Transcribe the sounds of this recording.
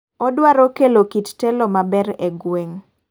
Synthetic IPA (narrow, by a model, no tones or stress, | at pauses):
ɔdwaɾokelokittɛlɔmabɛɾeɡweŋ